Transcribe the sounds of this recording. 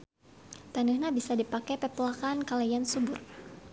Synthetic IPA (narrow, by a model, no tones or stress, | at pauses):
t̪anəhɲabisadipakɛpɛpulakankalajansubʊr